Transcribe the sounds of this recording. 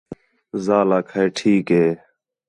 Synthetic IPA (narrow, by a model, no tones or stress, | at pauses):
zaːlaːkʰeːʈʰiːkɦeː